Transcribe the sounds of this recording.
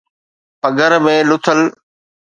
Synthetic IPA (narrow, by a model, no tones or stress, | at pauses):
pɐɡəɾmẽːlʊt̪ʰəl